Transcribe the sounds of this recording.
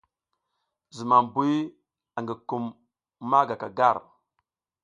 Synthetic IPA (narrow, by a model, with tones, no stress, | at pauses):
zi˨ma˨m˨bu˦ | a˨ŋɡi˨ku˨mː | a˦ɡa˨ka˨ɡa˦˨ɾ